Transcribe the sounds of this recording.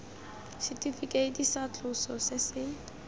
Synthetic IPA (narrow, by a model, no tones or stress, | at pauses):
sɛtʰifikʼetisat͡ɬʰusɔsɛsɪŋ